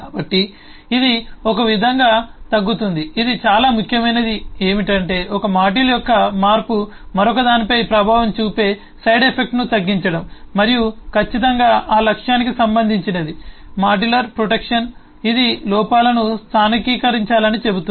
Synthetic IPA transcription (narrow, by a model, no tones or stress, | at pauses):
kaːbɐʈːiː | d̪iɔkɐʋid̪ʱɐŋɡaːt̪ɐɡːut̪und̪iid̪it͡ʃaːlaːmukʰjɐmɐjnɐd̪ieːmiʈɐɳʈe̞ːɔkɐmaːʈ̬ilɐjɔkːɐmaːɾpu | mɐɾɔkɐd̪aːnipɐjpɾɐbʱaːʋɐmt͡ʃuːpe̞ː | sɐjɖepʰe̞k̚ʈnut̪ɐɡːiɲt͡ʃɐɽɐmːɐɾijukʰɐt͡ʃːit̪̬ɐŋɡaːʔaːlɐkʂjaːnikisɐmbɐnd̪ʱiɲt͡ʃined̪i | maːɖilɐɾpɾoʈekʂɐn | id̪ilɔːpaːlɐnust̪ʰaːnikiːkɐɾiɲt͡ʃaːlɐnit͡ʃe̞but̪u